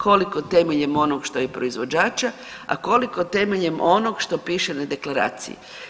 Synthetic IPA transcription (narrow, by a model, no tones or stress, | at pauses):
kʰo̞likot̪emeʎemo̞noɡʃt̪o̞jepɾoizʋo̞d͡ʒaːt͡ʃa | a̰ko̞liko̞t̪e̞meʎemʔo̞noɡʃt̪o̞piːʃenad̪e̞klˠaɾa̰ːt̪sḭjḭ